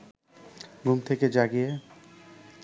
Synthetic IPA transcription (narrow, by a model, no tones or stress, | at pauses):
ɡumt̪ʰeked͡ʑaɡije